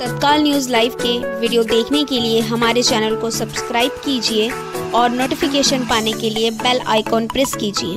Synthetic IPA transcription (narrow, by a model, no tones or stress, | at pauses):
sɐt̪̚kaːlnjuːzlaːɪʋkeʋiɖijod̪eːkʰnekelieɦɐmaːɾet͡ʃɛːnəlkosɐbskɾaːɪb̚kiːd͡ʒie | ɔːɾnoːʈɪfɪkeːʃənpaːnekeliebɛla̰ːɪkɔːnpɾɪskiːd͡ʒiḛː